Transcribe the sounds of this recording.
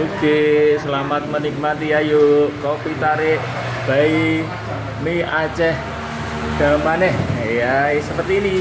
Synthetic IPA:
uɡ̥esəlamat̪̚mənik̚mat̪iajokopit̪aɾe | b̥a̤i | miat͡ʃɛh | ɡ̥amanɛhjasəpərt̪iːni

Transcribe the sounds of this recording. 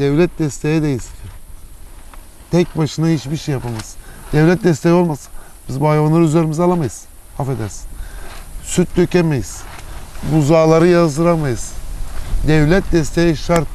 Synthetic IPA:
d̪̥ɛvlʲɛt̪̚d̪ɛst̪ʰejɛd̪ejis | t̪ʰɛc̚baʃɯnahit͡ʃbiʃejapʰamasɯ̥d̪̥ɛvlʲɛt̪̚d̪ɛst̪ʰejo̞lˠmasɯ̥n | bizbuajvanˠaɾyzlʲeɾimizɛalˠamajɯz̥ | hafed̪æɾsi̥n | syt̪̚d̪øcemejiz̥muzaːlˠaɾɯjazɯɾamajɯz̥ | d̪ɛvlʲɛt̪̚d̪ɛst̪ʰejɛʃaɾk

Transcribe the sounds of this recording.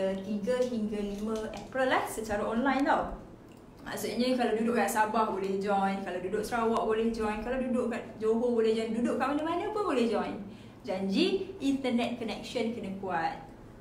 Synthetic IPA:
t̪iŋɡaɦiŋɡalimə̃ɛpɾəlːahsət͡ʃaɾaʔɔnlajnt̪aw | ma̰ʔsuɲə̃kalawdudʊʔkaʔsabahbolɛhd͡ʒɔjnkalawdudoʔ̚sɾawɔʔ̚bolɛhd͡ʒɔjnkalawdudoʔkaʔd͡ʒoɦobolɛhd͡ʒɔjndudʊʔkaʔmanəmanə̃pʊnbolɛhd͡ʒɔjn | d͡ʒaɲd͡ʒiint̪ənɛt̪̚kənɛk̚ʃənkənãkuat̪̚

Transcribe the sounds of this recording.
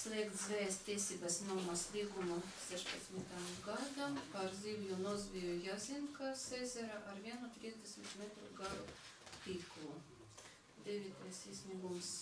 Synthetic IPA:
slʲˠiɛkt̪zvʲɛjst̪ʲt̪ʲːiɛsʲiːbasnɔmaslʲiːɡumu | sɛʃpat̪smʲit̪amɡad̪ampaɾzʲiɡlʲunɔzʲvʲijujazʲinkasɛzʲɛɾaʔaɾvʲiɛnut̪ɾʲiɛzʲd̪ʲɛsʲmʲit̪mʲet̪ɾuɡaɾup̪ʲiːklˠu | d̪ʲevʲit̪ajsiːsʲnʲiɡums

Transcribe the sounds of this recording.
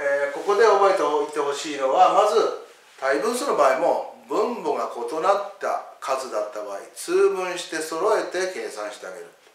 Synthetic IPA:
eːko̞ko̞d̪e̞oboit̪eoit̪ːe̞ho̞ɕiːno̞βamazɨ | t̪aibɯ̟̃ːsɨno̞baːimo̞bɯ̟̃mbo̞ɡako̞t̪o̞nat̪ːa̰kʰazɨd̪at̪ːabaːḭt͡sɨːbɯ̟̃ɰ̃ɕi̥t̪e̞so̞ɾo̞e̞t̪e̞ke̞ːsãɰ̃ɕi̥t̪e̞a̰ɡe̞̰ɾɯ̟t̪ː

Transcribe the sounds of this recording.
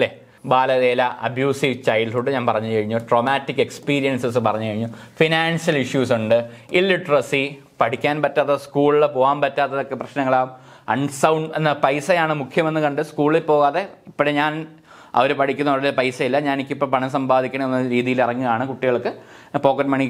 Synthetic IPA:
lːe | baːlɐðeːlɐʔɐ̰bʱjuːsiʋt͡ɕɐjɖhuɖɨɲaːnpɐrɐɲːɨkɐɻiɲːoʈro̞ːmaːtːikːe̞kspiːɾijɐnsɐsɨpɐrɐɲːɨkɐɻiɲːufinaːnsjɐliʂjuːsuɳɖɨilːiʈːrɐsi | pɐʈʰikʲːaːnpɐtːaːt̪ːɐskuːɭiɭepo̞ːɣaːmpɐtːaːt̪ːɐðokːe̞prɐɕnɐŋːɐɭaːm | ɐ̰ɳɖsɐwɳɖenːɐpɐjsɐjaːɳɨmukʰjɐmɐnːɨkɐɳɖɨskuːɭilpo̞ːɣaːðe̞ipːoɽeɲaːn | ɐ̰ʋɐɾupɐɽʰikʲːunːɐɽɐlpɐjsɐjilːɐɲaːnikʲːipːoːɭpɐɳɐmsɐmbaːd̪ʱikʲːɐɳɐenːɐɾiːðijilirɐŋːijaːɳɨkuʈːiɣɐɭkːɨ | po̞ːkːɐʈːmɐɳi

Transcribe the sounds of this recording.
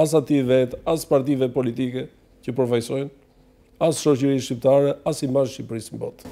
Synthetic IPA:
as̬at̪ivɛt̪aspaɾt̪̬ivɛpɔlit̪ikɛ | cəpəɾfajsɔjn | asʃɔcəɾiʃcip̚t̪aɾɛasimazʃcipɾismbɔ̰t̪

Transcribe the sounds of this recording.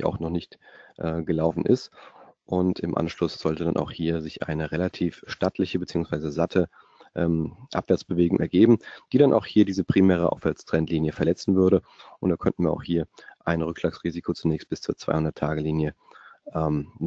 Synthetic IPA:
a̰ʊxnɔχnɪçtʔɛːɡəlaʊfn̩ʔɪ̰stʔʊntɪmʔa̰nʃlʊsz̥ɔltədanʔa̰ʊxhiːɐzɪçʔa̰ɪnəʁelatʰiːfʃtatʰlɪçəbət͡siːʊŋsv̥aɪzəzatʰə | ʔɛmʔa̰pv̥ɛɐt͡sb̥əveːɡʊŋʔɛɐɡeːbm̩d̥iːɾanʔa̰ʊxhiːɐdiːzəpʁ̥imɛːʁ̞əʔa̰ʊfv̥ɛɐt͡stʁ̥ɛntliːnjəfɛɐlɛt͡sn̩vʏɐɾə | ʔʊntd̥aːkʰœ̰ntn̩viːɐaʊxhiːɐʔaɪnʁʏkʃlaːksʁ̥iːzikʰot͡sunɛːçst̚b̥ɪ̥st͡suːɐt͡sv̥a̰ɪhʊndɐtʰːaːɡəliːnjə | ʔɛːm

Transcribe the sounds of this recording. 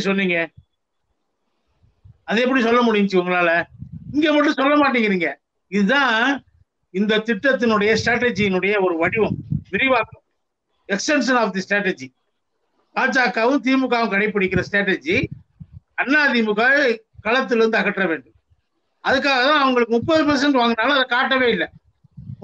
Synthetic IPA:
sɔnːiːŋɡɐ | ɐðɯɛp̬ːɐɽisɔlːɐmʊɽɪjɲt͡ʃːɯʊŋɡɐɭaːlɐɪŋɡeːpɐʈːɯ̃sɔlːɐmaːʈːiːŋɡɪɾiːŋɡɐ | ɪðɯt̪ãː | ɪnd̪ɐt̪ɪʈːɐt̪̬ːɪnɯɽɐjɐsʈɾaːʈːɛd͡ʒiɪnɯɽɐjɐɔɾɯʋɐɽɪʋɐmʋɪɾɪʋaːkɾɯm | ɛksʈɛnsɐnaːfd̪isʈɾaːʈɛd͡ʒi | kaːt͡ʃːaːkːaːʋɯmt̪iːmɯkːaːʋɯmkɐɽɐɪpːɐɽɪkːɪɾɐsʈɾaːʈɛd͡ʒi | ɐnːaːðimɯkaːɯ | kɐɭɐt̪̬ːɪlɾɯnd̪ɯɐɣɐʈːɾɐʋeːɳɖɯm | ɐðɯk̬ːaːɣɐt̪ãːɐʋɐŋɡɐɭɯkːɯmʊpːɐðɯpɐɾs̬ɛɳʈɯʋaːŋɡɐnːaːlɐɐðɐkaːʈːɐʋeːɪlːɛ

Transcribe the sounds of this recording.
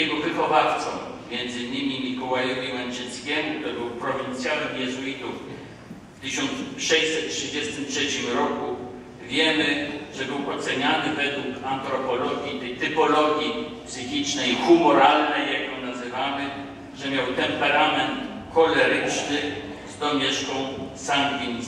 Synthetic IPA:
jɛɡɔvɘxɔvaft̪sɔ̰̃w | mʲjɛnd̪zɘɲːɘmʲimʲikɔwajɔvʲiwɛnt͡ʃɛt̪skʲɛmukt̪ɔbɘwpɾɔvʲint̪sʲjawɛmjɛzuit̪uf | ft̪ɘɕɔnt̪ʂɛjsɛt̪̚tʂɘd͡ʑɛst̪ɘmtʂɛt͡ɕimɾɔku | vʲjɛmɘʐɛbɘwʔɔt̪sɛɲanɘvɛd̪wukant̪ɾɔpɔlɔɡʲit̪ɛjt̪ɘpɔlɔɡʲipsɘxʲit͡ʂnɛjixumɔɾalnɛjakjɔnazɘvamɘ | ʐɛmʲjawt̪ɛmpɛɾamɛnt̪ | kɔlɛɾɘt͡ʂnɘ | zd̪ɔmʲɛʂkɔ̃w̃sand̪ɡʲin

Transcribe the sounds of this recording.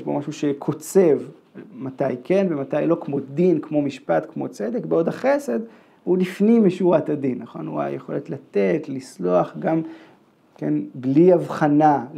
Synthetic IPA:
ʃbo̞maʃuʃekʰo̞t͡se̞v | mat̪ajke̞nbematajlo̞kmo̞dinkmo̞miʃpat̪kmo̞t͡se̞d̪ekbeo̞daχe̞se̞d̪ | vulifnimːiʃuʁatadinːaχo̞nṵa̰jeχo̞let̪lat̪e̞tlislo̞aχɡam | kḛnbliavχana

